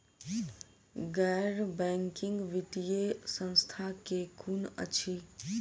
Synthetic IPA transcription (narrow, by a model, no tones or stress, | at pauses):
ɡaɾbɛŋkiŋɡʋiʈijesə̃nst̪ʰakekʰunə̰t͡ʃʰi